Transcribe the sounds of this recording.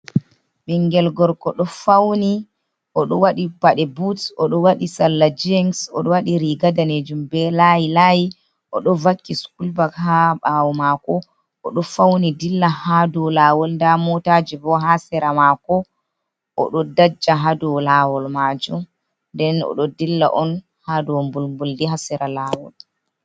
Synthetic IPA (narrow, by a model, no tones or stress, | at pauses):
ɓiŋɡɛlɡɔɾkɔɗɔfawni | ʔɔɗɔwaɗibaɗɛbutɔɗɔwaɗisalːad͡ʒɛŋsɔ̰ɗɔwaɗiɾiɡadaned͡ʒumbɛlajilaji | ʔɔ̰ɗɔvakːiskulbakhaɓawɔmakɔ | ʔɔɗɔfawnidilːahadɔlaːwɔlndamɔtad͡ʒibɔɦasɛɾamakɔ | ʔɔ̰ɗɔdad͡ʒːaɦadɔlawɔlmad͡ʒum | ndɛnɔ̰ɗɔdilːa̰ʔɔn | hadɔmbulmbuldiɦasɛɾalawɔ̰l